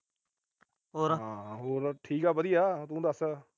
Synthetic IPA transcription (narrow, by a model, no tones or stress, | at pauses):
ɦoːɾãːɦoːɾʈʰiːkaːbəd̪ijaːt̪ũːd̪əsː